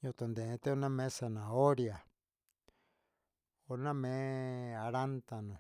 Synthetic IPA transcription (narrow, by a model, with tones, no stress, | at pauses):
ɲõ˧t̪o˨nd̪e˨˧t̪e˦o˧nã˦mẽ˦sa˧nã˨o˦ɾja˨ | o˧nã˦mẽ˨˦a˧ɾa˦nt̪a˧nõ˨